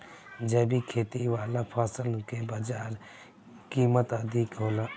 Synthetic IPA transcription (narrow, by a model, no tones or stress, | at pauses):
d͡ʒɛːbiːkʰeːt̪iʋaːlapʰaːsəlnukebaːd͡ʒaːɾ | kiːmət̪əd̪iːkɦoːla